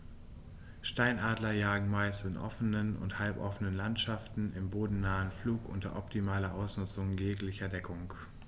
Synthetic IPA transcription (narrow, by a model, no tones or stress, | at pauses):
ʃtaɪnaːdlɐjaːɡŋ̩maɪstɪnʔɔ̰fənənʊ̰nthalpʔɔ̰fənənlantʃaftn̩ɪmboːdn̩naːənfluːkʔʊ̰ntɐ̰ʔɔp̚tʰimaːlɐʔaʊsnʊt͡sʊŋjeːklɪçɐdɛkʰʊŋ